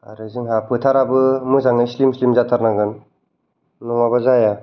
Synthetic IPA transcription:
a̰ɾɯzɯŋɦapʰɯtʰaɾabɯmɯzaŋnaislimslimzat̪ʰaɾnaɡɯn | nɔŋabazaja

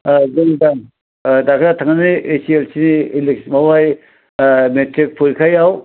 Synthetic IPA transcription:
zeŋdaŋ | dakʰɾatʰaŋaniesielsiniːleksmobaj | metɾik̚pʰuɾkʰajaw

